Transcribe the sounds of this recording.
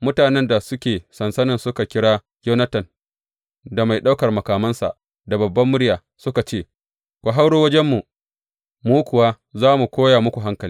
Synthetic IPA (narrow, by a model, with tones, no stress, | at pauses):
mʊ˦taː˨nɛ˦nda˨sʊ˦kʲeː˨sɐ˨nsɐ˦nɪ˨nsʊ˦ka˨kʲɪ˦ɽaː˦ | joː˦nɐ˦tɐ˨n | da˨ma˨jɗa˦wkɐ˨rmɐ˨kaː˨mɐ˦nsa̰˨ʔ | da˨bɐ˨bːɐ˦mːʊ˦ɽɪ˦jaː˨ | sʊ˦ka˨t͡ʃeː˦ | kʷa˨ɦa˦wɽoː˦wɐ˦d͡ʒɛ˦mːu˨ | muː˦kʷʊ˨wa˦ | zaː˦mu˨kʷoː˦jaː˨mʊ˦kʷu˨ɦa˦ŋkɐ˨li˦